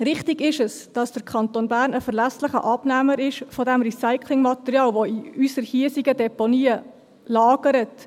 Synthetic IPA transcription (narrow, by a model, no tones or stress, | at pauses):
ɾɪχtɪɡɪʃəs | d̥ɑsd̥əɾkʰχɑnt̪onbæːɾnəfəɾlæslɪχə̰ʔɑb̥næməɾɪʃfɔdæmɾisaɪkʰlɪŋmɑt̪əɾiɑːlʋoiysəɾhiəsiɡədɛponiːə | lɑːɡəɾət